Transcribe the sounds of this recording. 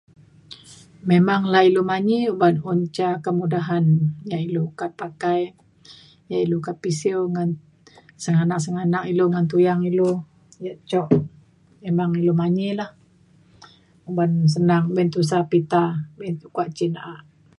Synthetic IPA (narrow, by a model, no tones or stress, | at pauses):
memaŋlahilomaɲiubanuɲt͡ʃakəmudaɦanjaʔilukat̪̚pakaj | jaʔilukat̪̚pisiwŋan | səŋanaʔsəŋanaʔiloŋant̪̬ujaŋilo | jaʔt͡ʃɔʔ | memaŋilomaɲilah | ubans̬ənaŋbɛnt̪us̬apit̪abɛnukuaʔt͡ʃinaʔaʔ